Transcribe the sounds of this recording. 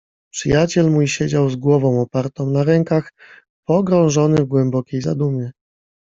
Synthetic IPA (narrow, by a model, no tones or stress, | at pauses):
pʂɘjat͡ɕɛlmujɕed͡ʑawzɡwɔvɔ̃w̃ɔpaɾt̪ɔ̃w̃naɾɛŋkax | pɔɡɾɔ̃w̃ʐɔnɘvɡwɛmbɔkʲejza̰d̪umʲjɛ